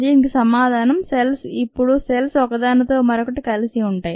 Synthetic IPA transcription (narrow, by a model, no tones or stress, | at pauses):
d͡ʒɐɪŋɡɐsɐmaːðaːnɐmsɛlsɪpːɔɻusɛlsoːkɐðaːnɐt̪ːomɐɾɐkːɯʈːɯkɐlɐsɪjɐʊɳɖɐː